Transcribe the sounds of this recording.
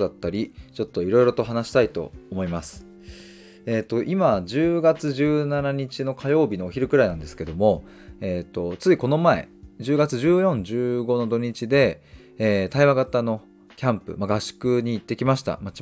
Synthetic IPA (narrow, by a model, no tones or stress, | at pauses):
d̪at̪ːaɾʲit͡ɕo̞t̪ːo̞iɾo̞iɾo̞t̪o̞ɦanaɕi̥t̪ait̪o̞̰omo̞imasɨ̥ | e̞ːt̪ːo̞ʔimad͡ʑɨːɡat͡sɨʑɨːnanaɲ̟it͡ɕino̞kʰajo̞ːbʲino̞ːçiɾɯ̟kɯ̟ɾainãnd̪e̞sɨ̥ke̞d̪o̞mo̞ | eːt̪ːo̞t͡sɨiko̞no̞mae̞̰d͡ʑɨːɡat͡sɨʑɨːjõ̞ɲd͡ʑɨːɡo̞no̞d̪o̞ɲ̟it͡ɕid̪e̞ː | t̪aiβaɡat̪ano̞ | kʲãmpɯ̟̰maɡaɕi̥kɯ̟ɲ̟iːt̪ːe̞kʲimaɕi̥t̪a̰ma